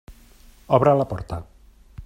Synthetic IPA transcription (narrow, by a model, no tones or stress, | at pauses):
oβɾalapɔɾt̪a